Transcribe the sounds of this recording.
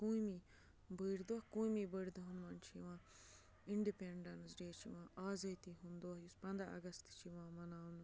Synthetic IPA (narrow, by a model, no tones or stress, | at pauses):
kũːimi | bəɾd̪okũːimibəɾd̪uɦunmɐnt͡ʃʰiʋãː | iɳɖipeːɳɖɐnsɖeːt͡ʃʰiʋãːʔaːzɐt̪iɦũnd̪oːjuspɐ̃nd̪ɾa̰ɐ̰ɡɐst̪t͡ʃʰiʋãːmɐnaːwn